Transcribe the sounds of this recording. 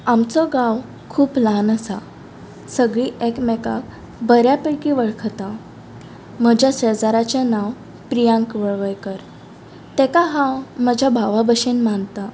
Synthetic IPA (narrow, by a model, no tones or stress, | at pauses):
amt͡sɔɡãw | kʰuːplanəsa̰ | səɡɭiːʔekmɛka̰k̚ | bəɾjapəjkiʋəɭkʰət̪a | məd͡ʑʱjasəd͡zaɾat͡ɕjanaw | pɾijãŋkʋəɭʋəjkəɾ | t̪ɛkaɦãwməd͡ʑʱabʱaʋabəɕenmant̪a